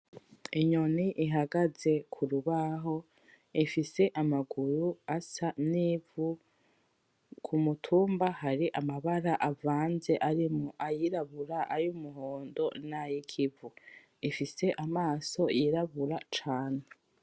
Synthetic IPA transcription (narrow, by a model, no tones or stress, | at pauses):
iɲoniʔiɦaɡaze̞kʰuɾuβaɦo̞ | ifise̞ʔamaɡuɾuasaniːvu | kʰumutʰuːmbahaɾiʔamaβaɾaʔavaːnze̞ʔaɾimoʔajiɾaβuɾaʔajumuɦoːndo̞najikʰivu | ifise̞ʔamaːso̞jiɾaβuɾat͡ʃaːne